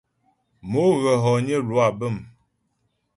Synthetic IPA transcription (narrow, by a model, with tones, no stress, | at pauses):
mo˨˦ɣə˨ɦɔ˨ɲə˦lwa˨bə˦˨m